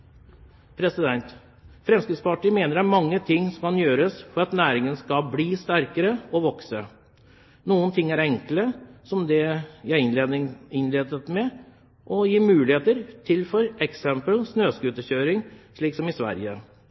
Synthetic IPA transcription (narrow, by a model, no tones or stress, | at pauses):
pʰɾɛsɪd̪ɛnt̪ | fɾɛmskɾɪd̪spɑʈiːəmeːnəɾæmɑŋːət̪ʰɪŋːsɔmkɑnjøːɾəsfɔɾɑt̪næːɾɪŋənskɑbliːst̪æɾkəɾəɔʋɔksə | nuːənt̪ʰɪŋːæɾɛŋkləsɔmd̪ɛjæɪ | ɪnleːd̪ət̪mɛ | ʔɔjiːmʉːlɪheːt̪əɾt̪ʰɪlfɔɾɛksɛmpəlsnøːskʉːt̪əçøːɾɪŋʂɭiːksɔmɪsʋæ̰ɾjə